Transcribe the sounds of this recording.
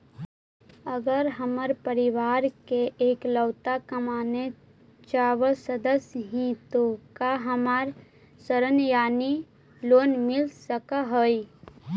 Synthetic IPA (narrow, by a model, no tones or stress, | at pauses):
əɡəɾɦəməɾpəɾɪʋaːɾkeʔeːkləwt̪akəmaːne | t͡ʃaːwəsəd̪əsjɦĩt̪okaɦəmaːɾ | səɾənjaːni | loːnmɪlsəkaɦoːi